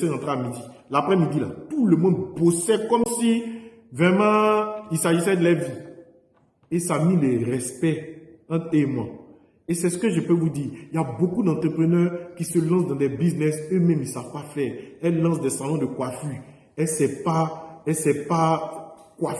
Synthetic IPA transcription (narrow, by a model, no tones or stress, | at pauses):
sɛɑ̃t̪ʁeamid̪ilapʁɛmid̪ila̰t̪uləmɔ̃d̪bosɛkɔmsi | vʁɛmɑ̃ilsaʒisɛd̪əlɛvi | esamĩlɛʁɛspɛ̃ | emwa | esɛsəkəʒəpøvud̪iːiljabokud̪ɑ̃t̪χəpχənœːʁkisəlɑ̃sd̪ɑ̃d̪ɛbiznɛsømɛ̃milsav̥pafɛːɛlːɑ̃sd̪ɛsãlɔ̃d̪əkwafy | ɛlsɛpaɛlsɛpakwaf